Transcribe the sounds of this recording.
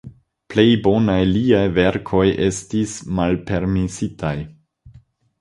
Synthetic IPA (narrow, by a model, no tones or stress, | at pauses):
ple̞jbo̞najliajve̞ɾkʰo̞jʔe̞stismalpe̞ɾmisitʰaj